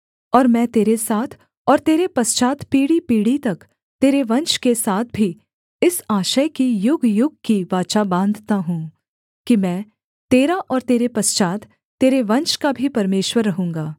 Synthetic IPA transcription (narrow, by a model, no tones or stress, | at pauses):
ɔːɾmɛ̃ːt̪eːɾesaːt̪ʰ | ɔːɾt̪eːɾepɐst͡ʃaːt̪ʰpiːɽipiːɽit̪ɐk | t̪eːɾeʋɐ̃nt͡ʃkesaːt̪̚ʰbʱi | ɪsaːʃəkijʊɡʱjʊɡ̚kiʋaːt͡ʃabãːnd̪ʱt̪aɦũː | kimɛ̃ː | t̪eːɾaʔɔːɾt̪eːɾepɐst͡ʃaːt̪ʰ | t̪ːeːɾeʋɐ̃nt͡ʃkabʱipɐɾmeːʃwəɾːɐɦũːŋɡaː